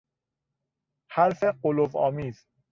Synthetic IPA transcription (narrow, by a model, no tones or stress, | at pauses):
haɾfeɢolovɒ̰ːmiːz̥